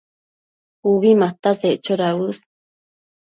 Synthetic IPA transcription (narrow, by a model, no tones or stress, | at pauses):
uβimat̪aseʔt͡ʃoɾawus